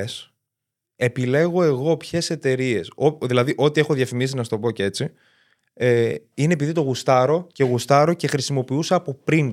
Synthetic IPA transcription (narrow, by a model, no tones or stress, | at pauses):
es | e̞pile̞ɣo̞e̞ɣo̞pçe̞se̞t̪e̞ɾie̞soðilɐðiʔo̞t̪ie̞xo̞ðjɐfimisinɐst̪o̞po̞cee̞t͡si | eineepiðit̪o̞ɣust̪ɐɾo̞ceɣust̪ɐɾo̞ce̞xɾisimo̞piuseɐpo̞pɾin